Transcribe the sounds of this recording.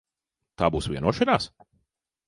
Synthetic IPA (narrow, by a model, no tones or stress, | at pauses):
t̪aːbuːsviɛnuɔʃɛnaːs